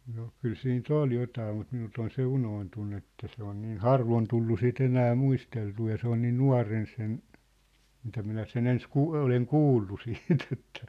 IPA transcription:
no kyl siːnt ol jotɑː mut minult on se unoːntunːu etːæ se on niːn hɑrʋon tulːu sit enæː muisteltuː jɑ se on niːn nuɑ̝ren sen mitæ minæ sen ens kuː oleŋ kuːlːu siːt etːæ̥

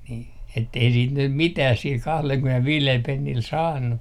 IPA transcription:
niː etːei siːt nym mitæh sil kɑhlelkymenelʋiːlel penːil sɑːnːu

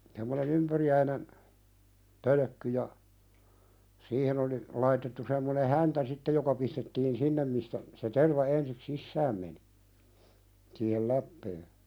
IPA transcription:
tæmːønen ympyriæinen pølø̆kːy jɑ siːhen oli lɑitetːu semːone hæntæ sitːej jokɑ pistetːiːn sinːem mistæ se terʋɑ ensik sisːæːm meni siːhel læpːeː

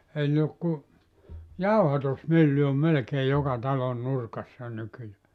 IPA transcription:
ehæn ne ok ku jɑuhɑtusmylːy om melĕkeː jokɑ tɑlon nurkɑsːɑ nykyjæː

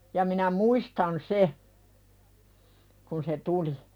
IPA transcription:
jɑ minæ muistɑn se kun se tuli

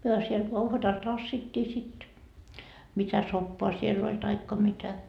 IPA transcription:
myø siel uhʋɑtɑl tɑsːitːiː sit mitæ sopːoɑ sielː olʲ tɑikːɑ mitæ

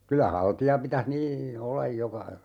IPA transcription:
kylæ hɑltiɑ pitæh niː olːɑj jokɑ

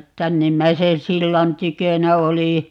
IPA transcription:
tænːimːæiseː silːɑn tykønæ oli

